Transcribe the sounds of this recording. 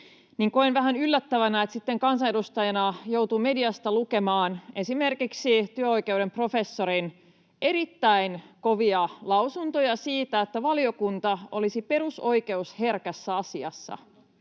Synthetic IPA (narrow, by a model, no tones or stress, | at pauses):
niŋkoenʋæɦænylːæt̪ːæʋænæet̪sit̪ːeŋkɑnsɑnedust̪ɑjɑnɑjo̞wt̪ume̞diɑst̪ɑluke̞mɑːnesime̞rkiksit̪yøo̞jke̞uɾe̞mpro̞fe̞sːoɾin | e̞ɾit̪ːæinko̞ʋiɑlɑwsunt̪ojɑsiːt̪æet̪ːæʋɑliokunt̪ɑolisipe̞ruso̞ike̞ushe̞rkæsːæɑsiɑ̰sːɑ̰